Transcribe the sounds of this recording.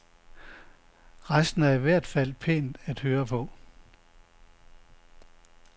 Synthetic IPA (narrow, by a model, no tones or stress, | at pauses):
ʁɑsd̥n̩æɐiʋæɐ̰d̥fæl̰pʰḛːnd̥æd̥høːɐpʰɒ̽